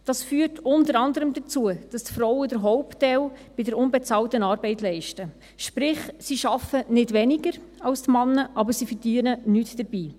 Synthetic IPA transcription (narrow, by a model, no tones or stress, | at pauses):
d̥ɑsfyːɾtʰʊntəɾɑndəɾəmdət͡suəd̥ɑstfɾɔwədəɾɦɔʊptɛlb̥ɪdəɾʊnbɛt͡sɑːltənɑːɾbɛɪtlɛɪʃtə | ʃpɾɪχsiʃɑfənɪdʋɛniɡəɾɑlstmɑnːəʔɑbəɾsifəɾd̥iənənyːtd̥əɾbiː